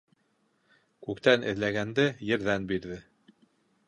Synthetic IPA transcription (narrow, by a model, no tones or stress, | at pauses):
kʉkt̪ænʔɘ̰̆ðlæɡænd̪ɘjɘ̆ɾðænbiɾðɘ